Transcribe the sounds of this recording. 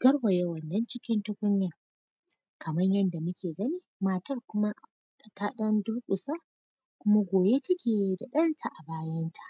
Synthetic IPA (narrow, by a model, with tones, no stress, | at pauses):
ɡ̥ɐ˦rwɐ˨jɐ˦wɐ˨nːɐ˦nt͡ʃɪ˦kʲɪ˦ntʊ˦kʷʊ˦nːɪ˦ŋ | kɐ˨mɐ˦ɲjɐ˦nda˨mʊ˦kʲeː˨ɡɐ˦niː˦maː˦˨tɐ˦rkʷʊ˦ma˦ʔ | kʼɐ˨kaː˦ɗɐ˦ndʊ˦rkʷʼʊ˨sa˦ | kʷʊ˦ma˦ɡʷoː˨be˦tɐ˦kʲeː˨˦˨da˨ɗɐ˦nsa˨ʔa˨baː˦jɐ˦ntʰḁ˨ʔ